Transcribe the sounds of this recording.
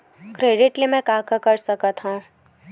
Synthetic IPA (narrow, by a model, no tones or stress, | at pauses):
kɾeːɖɪʈlemɛ̃kaːkakɐɾsɐkət̪ɦũ